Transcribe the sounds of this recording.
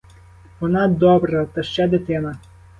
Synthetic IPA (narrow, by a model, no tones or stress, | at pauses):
ʋɔnɑd̪ɔbɾɐt̪ɐʃt͡ʃad̪ɪt̪ɪnɐ